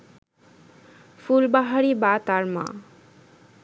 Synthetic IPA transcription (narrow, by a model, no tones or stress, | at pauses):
fulbaɦaɾibat̪aɾmã̰